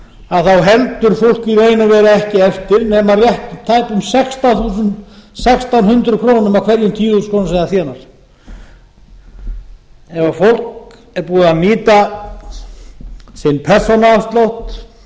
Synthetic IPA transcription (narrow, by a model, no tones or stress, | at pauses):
aðθawɦɛlt̪ʏɾ̥fowl̥kireːjnavɛːɾaɛhcɪɛft̪ɪɾnɛːmarjɛht̪t̪ʰːaːjpʏmsɛkst̪aθuːsʏnt̪sɛkst̪awnhʏnt̪ɾʏkʰɾoːwnʏmawkʰvɛɾjʏnt̪ʰiːuskʰoːnsaːðaθjɛːnaɾ̥ | ɛvafowl̥k | ɛɾpuːðʏamiːt̪a | sɪnpʰɛr̥sonaast̪lowht̪